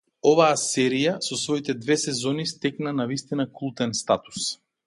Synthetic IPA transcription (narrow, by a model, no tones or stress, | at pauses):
ɔvaːsɛɾijasɔsvɔit̪ɛd̪vɛsɛzɔnist̪ɛknanavist̪inakulˠt̪ɛnst̪at̪u̥s